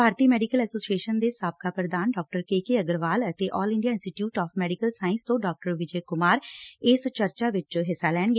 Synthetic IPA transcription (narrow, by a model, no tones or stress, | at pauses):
bʱaːɾt̪iːmɛːɖikəlɛːsoːsieːʃənd̪eːsaːb̚kaːpɾəd̪aːnɖɔːk̚ʈəɾkeːkeːəɡəɾʋaːlət̪eːʔɔːlɪ̃ɳɖijaːɪ̃nsʈiːʈjuːʈɔːpʰmɛːɖikəlsaːɪnst̪õːɖɔːk̚ʈəɾʋɪd͡ʒeːkʊmaːɾɪst͡ʃəɾt͡ʃaːʋɪt͡ʃɦɪsːaːlɛːɳɡeː